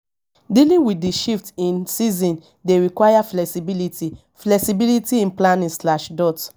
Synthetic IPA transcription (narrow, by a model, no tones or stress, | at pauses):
dilĩnwiiʃiftĩnsizɔ̃n | deɹikwajaflɛksibiliti | flɛksibilitiĩnplãnĩnslaʃdɔt